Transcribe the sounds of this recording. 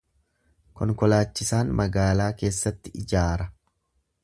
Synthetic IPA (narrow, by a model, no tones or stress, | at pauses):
kɔŋkɔlaːt͡ʃːɪsaːnmɐɡaːlaːke̞ːsːɐt̪ːɪɪd͡ʒaːɾɐ